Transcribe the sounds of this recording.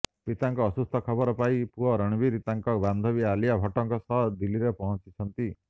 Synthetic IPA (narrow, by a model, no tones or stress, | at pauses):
pit̪aŋkɔːsust̪ʰɔkʰɔbɔɾɔpaipuɔɾɔɽ̃biɾit̪aŋkɔband̪ʱɔbialijabʱɔʈɔŋkɔsɔɦd̪iliɾepɔɦɔt͡ʃit͡ʃʰɔnt̪i